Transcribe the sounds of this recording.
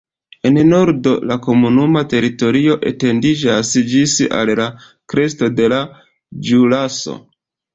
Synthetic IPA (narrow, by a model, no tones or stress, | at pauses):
e̞nno̞ɾdo̞lako̞munumate̞ɾito̞ɾio̞ʔe̞̰te̞ndid͡ʒasd͡ʒisa̰lla | kɾe̞sto̞de̞la | d͡ʒulaso̰